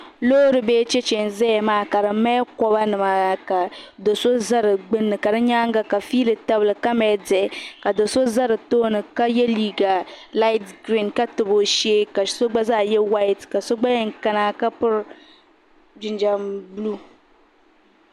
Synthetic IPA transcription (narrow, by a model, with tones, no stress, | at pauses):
loː˦ɾɨ˨beː˦t͡ʃe˦t͡ʃɛ˨n˨zɛ˦jɛ˨maː˦˨ka˨ɾɨ˨mɛ˦kɔ˦ba˦nɨ˨ma˨a˨ka˨do˨so˦za˦ɾɨ˨ɡ͡bɨ˦nːɨ˨ka˨dɨ˦ɲa˦ŋɡa˦ka˨fiː˦lɨ˨ta˦bɨ˨lɨ˨ka˦mɛ˨˦dɛ˨ka˨do˨so˦za˦ɾɨ˨toː˦nɨ˨ka˦jɛ˦liː˦ɡa˨la˦ɪ˦tɡɾi˦˨nka˦tɨ˨bo˨˦ʃe˦ka˨so˦ɡ͡ba˦zaː˦˨jɛ˦wa˦jtka˨so˦ɡ͡ba˦jɛ˦ŋ˨ka˦na˦ka˦pʊ˦ɾ | d͡ʒɪ˨nd͡ʒa˨mblu˦